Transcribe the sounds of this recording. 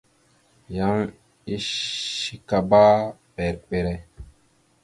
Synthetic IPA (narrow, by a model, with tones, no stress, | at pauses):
ja˦ŋ | i˦ʃi˦ka˨ba˦pɛ˨ɾk͡pe˨ɾɛ˦